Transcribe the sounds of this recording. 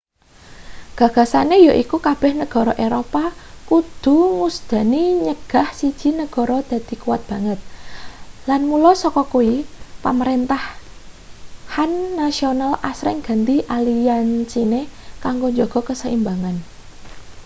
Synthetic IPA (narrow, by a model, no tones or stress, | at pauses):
ɡ̥ä̤ɡ̥a̤sanejaʔikukab̥ɛhnəɡ̥ɔ̤ɾɔʔeɾopakud̪̥ṳŋusd̪̥ä̤niɲəɡ̥a̤hsid̥d͡ʒ̥i̤nəɡ̥ɔ̤ɾɔd̪̥ä̤d̪̥i̤kuwat̪̚b̥ä̤ŋət̪̚ | lanmulɔsɔkɔkuipaməɾent̪ah | hanːasionalasɾɪ̰ŋɡ̥a̤nt̪iʔalijant͡ʃinekaŋɡoɲd͡ʒɔɡ̥ɔ̤kəsəimbaŋan